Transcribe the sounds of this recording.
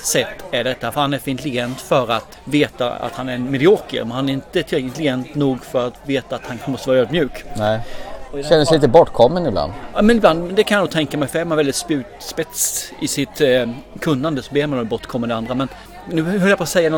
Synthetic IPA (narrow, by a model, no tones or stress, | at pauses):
sɛt̪ːæɖɛt̪ːafœɾhanæɾfœɾɪnt̪əlɪɡɛnt̪fœɾat̪veːt̪a̰a̰t̪hanæɾnmɛd̪ɪoːkə̰ɾmɛnhanæɾɪnt̪ət̪ʰɪɪnt̪əlɪɡɛnt̪nuːɡfœɾat̪veːt̪aːt̪hanmɔst̪əvɑːɾøːd̪mjʉ̟ːk | ɔʃɛnd̪əsliːt̪əbɔʈkʰɔmːənɪbla̰nd̪mɛnɪbland̪d̪ɛkʰanjanuːɡ̚t̪ʰɛŋkamɛɪjfœɾæɾmanvɛld̪ɪt̪spʉːtspɛt̪sɪsɪt̪kʰɵnːand̪əsɔbeːɾmanɔbɔʈ̪kʰɔmːənd̪ɛand̪ɾamɛn | nʉhœɾljapʰosɛjːanɔ